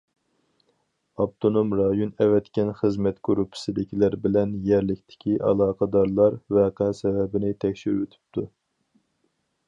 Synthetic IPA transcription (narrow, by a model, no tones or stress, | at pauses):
ɑp̚t̪ʰonomɾɑjonɛvɛt̪kʲɛnχəzmɛt̪ɡ̥uɾupʰɪ̥sɪd̪ɪkʲʰilæɾbɪlɛnjɛɾlɪkʲt̪ʰɪ̥kʲʰiʔɑ̰lˠɑːqʰɑd̪ɑɾlˠɑɾvɛqʰɛsɛvɛbɪnɪt̪ʰɛkʲʃiɾøt̪ʰy̥p̚t̪ʰu